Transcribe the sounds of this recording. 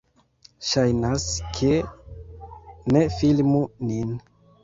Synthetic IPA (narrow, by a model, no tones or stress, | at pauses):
ʃajnaskʰe | ne̞filmunin